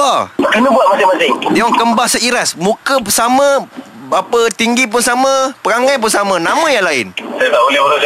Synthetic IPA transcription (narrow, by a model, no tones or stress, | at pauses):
akənəbuaʔmasɪŋmasɪŋdiaŋkəmbaʔsəiɾasmũkəsamə̃ | bapət̪iŋɡip̬ʊnsamə̃pəɾaŋajp̬ʊnsamə̃nãmə̃jaŋlaɪnsadaʔbolɛolad͡ʒ